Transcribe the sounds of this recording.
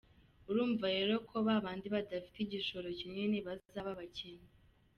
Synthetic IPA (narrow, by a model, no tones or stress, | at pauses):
uɾuːɱvaɾe̞ɾo̞kʰo̞βaβaːndiβadafi̥tiɟiʃo̞ɾo̞cimŋe̞niβazzaβaβaceɲe